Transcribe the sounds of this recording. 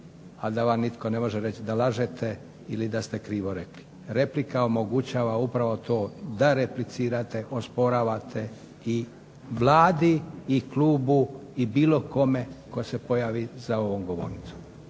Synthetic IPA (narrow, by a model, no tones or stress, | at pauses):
ad̪aʋamnit̪ko̞ne̞mo̞ʒeɾe̞t͡ɕid̪alaʒet̪ʰe | ilid̪ast̪e̞kɾiːʋo̞ɾe̞kli̥ | ɾe̞plikaomo̞ɡut͡ɕaːʋaupɾaʋot̪o̞ːd̪aɾeplit̪siːɾat̪e̞ʔo̞spo̞ɾaːʋat̪ʰe̞ | i | ʋlaːd̪iːkluːbuibiːlo̞ko̞me̞ko̞se̞po̞jaːʋizao̞ʋomɡo̞ʋo̞̰ɾnit̪su̥m